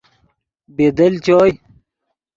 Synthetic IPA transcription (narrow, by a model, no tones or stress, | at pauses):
bed̪ɐlt͡ɕoːj